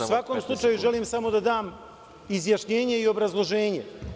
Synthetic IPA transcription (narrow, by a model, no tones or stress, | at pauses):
sʋakoːmslˠut͡ʃajuʒe̞liːmsamo̞d̪ad̪aːm | izjaʃɲe̞ːɲe̞io̞bɾazlˠo̞ʒe̞ːɲe̞̰